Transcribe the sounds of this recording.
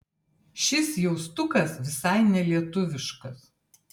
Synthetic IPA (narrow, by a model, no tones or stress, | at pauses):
ʃʲɪsjɛʊst̪ʊkɐsʋʲɪsɐɪnʲɛlʲiɛt̪ʊʋʲɪʃkɐs